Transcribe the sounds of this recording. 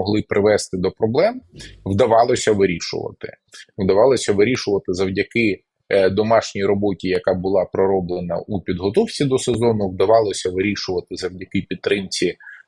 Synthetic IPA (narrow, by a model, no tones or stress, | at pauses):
ɔɦlˠɪpɾɪʋɛst̪ɪd̪ɔpɾɔblˠɛmwd̪ɐʋɑlˠɔsʲɐʋɪɾʲiʃʊ̰ʋɐ̰t̪ɪ̰wd̪ɐʋɑlˠɔsʲɐʋɪɾʲiʃʊʋɐt̪ɪzɐwdʲɐkɪ | d̪ɔmɑʃnʲijɾɔbɔtʲijɐkabʊlˠɑpɾɔɾɔblˠenɐ̰ʔupʲid̪ɦɔt̪ɔwt͡sʲid̪ɔsezɔnʊʋd̪ɐʋɑlˠɔsʲɐʋɪɾʲiʃʊʋɐt̪ɪzɐwdʲɐkɪpʲit̪t̪ːɾɪmt͡sʲi